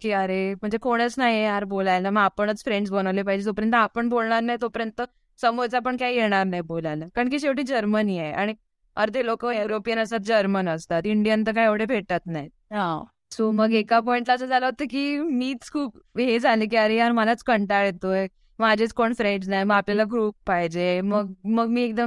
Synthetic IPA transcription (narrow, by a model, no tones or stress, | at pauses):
kiːəɾem̤əɳd͡zekoɽ̃ət͡snaɦiejaɾbolajnaməɡapəɳ̃ət͡sfɾeɳɖs̬bəñaʋlepaɦid͡ʑet̪opəɾjənt̪ːapəɳbolɳaɾnajit̪opəɾjənt̪ə | səmoɾt͡sapəɳkajjeɽ̃aɾnaɦjbolanakaɳk̬iːɕeʋʈiːd͡ʑəɾməniea̰ɽ̃i | əɾt̪elokəeɾopijənəsat̪̚d͡ʑəɾmənəst̪at̪iɳɖijənt̪̬əkajeʋɽebʱeʈ̪at̪naɦj̪ | ɦã | soməɡekapɔiɳʈ̪lasəd͡zʱalaɦot̪əkiːmiːtt͡skʰuːpɦed͡zalek̬iaɾiaɾməlat͡skəɳʈaɭet̪o | mad͡ʑʱet͡skoɳfɾeɳɖsnajməɡapljalaɡɾuːp̚paid͡ʑeməɡ̚məɡmiːek̚d̪əm